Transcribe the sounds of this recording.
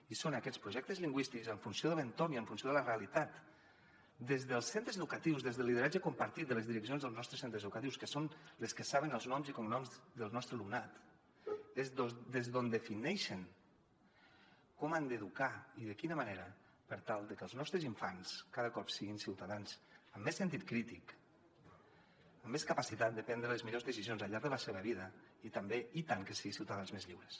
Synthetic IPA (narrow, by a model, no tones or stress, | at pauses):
isonəkɛt͡spɾuʒɛk̚t̪əzliŋɡwist̪ikzəɱfunsioðələnt̪omiəɱfunsijoðələreəlit̪at̪ | d̪ezðəlˠsɛnt̪ɾəzðukət̪iwzðezðəlːiðəɾad͡ʒəkumpəɾt̪it̪̚d̪ələzðiɾəks̬ionzðəlˠznɔst̪ɾəsent̪ɾəzəðukət̪iwskəsonləskəsaβənəlˠznɔmzikɔmnɔmzðəlˠnɔst̪ɾəlumnat̪ | ezod̪ezðond̪əfinɛʃən | kɔmand̪eðukaiðəkinəmaneɾə | pəɾt̪alˠd̪əkəlˠznɔst̪ɾəziɱfanskaðəkɔpsiɣinsiwt̪aðanzəmːesːənt̪it̪̚kɾit̪ik | əmːeskəpasit̪at̪̚d̪əpɛnd̪ɾələzmiʎozðəsizijonzaʎaɾɡðələseβ̞əβ̞iðəit̪əmbeit̪aŋkəsiɣisiwt̪aðanzmezʎiwɾəs